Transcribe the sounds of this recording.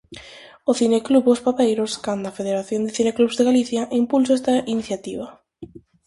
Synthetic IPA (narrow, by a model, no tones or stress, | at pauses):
ʊθinekluβospapejɾʊskand̪ɐafeðeɾaθjond̪ɪθinekluβzðeɣaliθjɐʔimpulsoɛst̪ɐʔiniθjat̪iβɐ